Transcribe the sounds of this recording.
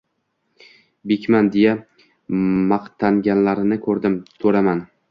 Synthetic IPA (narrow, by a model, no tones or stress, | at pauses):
bekʲmand̪eja | mɑqt̪ʰaŋɡʲanlaɾɪnɪkʰɵɾd̪ɪmsʰɵɾaman